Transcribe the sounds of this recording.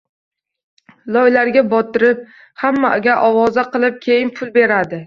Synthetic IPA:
lˠɒjlaɾɡʲabɒt̪ʰɪɾɪp̚ | hamːaɡʲaʔɒwɒzaqɨlˠɪp̚kʲʰe̞jɪnpʰʊlˠbe̞ɾad̪ɪ

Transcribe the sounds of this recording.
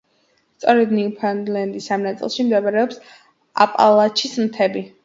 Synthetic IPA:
st̪sʼɔɾɛd̪niupʰanlɛnd̪isamnat̪sʼḭlˠʃimd̪ɛbaɾɛɔps | a̰pʼa̰lˠat͡ʃʰismt̪ʰɛbi

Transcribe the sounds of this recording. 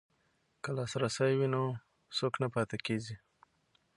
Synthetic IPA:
kəlɑsɾasajwino | soknapɑt̪akezi

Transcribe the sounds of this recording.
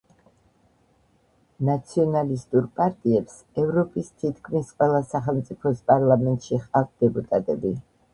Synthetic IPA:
nat̪sʰiɔnalist̪ʼuɾpʼaɾt̪ʼiɛps | ɛvɾɔpʼist̪ʰit̪̚ʰkʰmisqʼwɛlˠasaχɛlˠmt̪sʼipʰɔspʼaɾlˠamɛnt̪ʼʃiχʼavt̪̚ʰd̪̥ɛpʼut̪ʼat̪ʼɛbi

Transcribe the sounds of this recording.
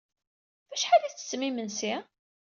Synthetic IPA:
væʃħaliθə̥smimənsi

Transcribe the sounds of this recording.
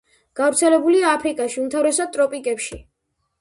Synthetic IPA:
ɡ̥avɾt̪sʰɛlɛbuliaːpʰɾikʼaʃiumt̪ʰavɾɛsad̪̚t̪ʼɾɔpʼikʼɛpʃi

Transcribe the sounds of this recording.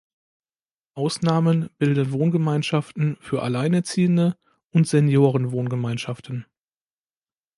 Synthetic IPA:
ʔaʊsnaːmənb̥ɪldənvoːnɡəmaɪnʃaftn̩fyːɐʔalaɪnɛt͡siːəndə | ʔʊntz̥ɛnjoːʁənvoːnɡəmaɪnʃaftn̩

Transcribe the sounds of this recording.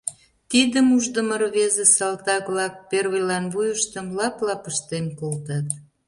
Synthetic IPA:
t̪id̪əmuʒd̪əmərβezesɑlt̪ɑkβlɑk̚perɣəjlɑnβujəʃt̪əmlɑplɑpəʃt̪emkolt̪ɑt̪

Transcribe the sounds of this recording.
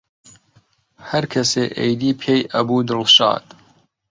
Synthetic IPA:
hɐɾkʰɐseːʔḛjd̪iːpʰeːjʔɐbuːd̪ɨlʃɑ̰ːd̪

